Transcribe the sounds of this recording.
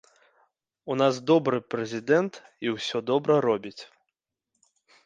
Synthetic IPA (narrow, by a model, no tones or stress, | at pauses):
unazd̪ɔbɾɨpɾɛzʲid̪ɛnt̪iwsʲɔd̪ɔbɾɐɾɔbʲit͡sʲ